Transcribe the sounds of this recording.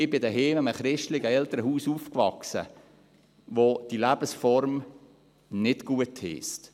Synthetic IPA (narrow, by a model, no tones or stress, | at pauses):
ɪbɪdəɦeːməməχɾɪʃtlɪɡəɛlt̪əɾəɦuːsuːfkvɑksə̰ | ʋod̥ilæb̥əsfɔɾm | nɪdɡ̥uəthɪ̰ːst